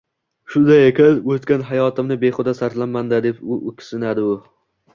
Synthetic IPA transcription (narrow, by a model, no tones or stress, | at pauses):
ʃʊnd̪ajekʲɪlɵt̪kʲanɦajɒt̪ʰɪmnɪbeχʊd̪asaɾt̪lanmand̪ad̪e̞pʊʔʊkʲʰɪ̥sɪnad̪ɪʊ